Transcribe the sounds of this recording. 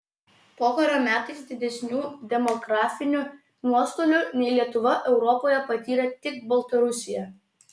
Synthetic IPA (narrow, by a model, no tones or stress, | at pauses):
poːkɐɾʲoːmʲæːt̪ɐɪsd̪ʲɪd̪ʲɛsʲnʲuːd̪ʲɛmɔɡɾɑːfʲɪnʲʊ | nuɔst̪oːlʲʊnʲɛɪlʲiɛt̪ʊʋɐʔɛʊɾɔpoːjɛpɐt̪ʲiːɾʲɛt̪ʲɪk̚bɐlˠt̪ɐɾʊsʲɪjɛ